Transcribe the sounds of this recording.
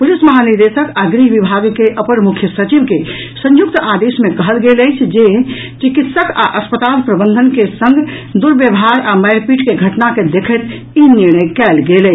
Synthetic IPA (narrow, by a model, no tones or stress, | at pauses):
pulisməɦaniɾd̪esəkaɡɾiɦʋibʱaɡkeʔəpənmukʰjəsət͡ʃibke | sə̃juk̚t̪ad̪esmekəɦəlɡeləjt͡ʃʰd͡ʒe | t͡ʃikit̪səka̰ʔəspət̪alpɾəbənd̪ʱənkesə̃ŋɡʱd̪uɾbjəbɦaɾaməjɾpiʈkeɡʱəʈnaked̪ekʰət̪ | iniɾɳ̃əjkɛlɡelə